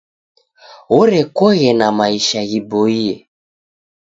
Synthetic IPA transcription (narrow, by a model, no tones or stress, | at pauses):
ɔɾɛkɔɣɛnamaiʃaɣibɔiɛ